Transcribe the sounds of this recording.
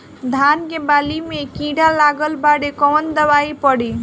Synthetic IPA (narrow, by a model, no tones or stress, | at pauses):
d̪ʱankebalimekĩɽalaɡəlbaɽekɔwnd̪ʌbaipʌɽi